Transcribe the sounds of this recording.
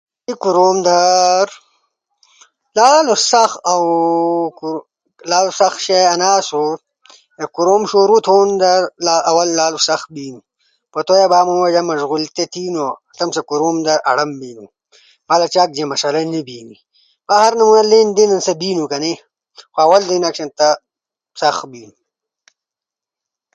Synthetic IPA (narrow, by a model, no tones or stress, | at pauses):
ikuɾoːmd̪aɾ | laːlusɐxawk | laːlusɐxʃejɐnaːsoɾ | ekuɾomʃoːɾut̪ʰoːnd̪aɾlaawɐlːaːlusɐxbiːnu | pot̪ojabaːmɐmed͡ʒamɐʒɣult̪et̪ʰiːno | t̪ɐmsakuɾomd̪ɐʔɐ̰ɽɐmbiːnṵ | malat͡ʃaːk̚d͡ʑemɐʂɐlɐnibiːni | mahaɾnɐmunaleːnd̪inɐnsɐbiːnukɐne | xoɐwɐld̪inakʃent̪a | sɐxbiːnu